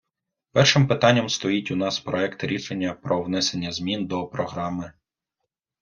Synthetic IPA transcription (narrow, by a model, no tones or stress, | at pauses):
pɛrʃɪmpɪt̪ɑnʲːɐmst̪ɔjitʲunɑspɾɔɛkt̪ɪɾʲiʃenʲːɐpɾɔʋnɛsenʲːɐzmʲind̪ɔpɾɔɦɾɑmɪ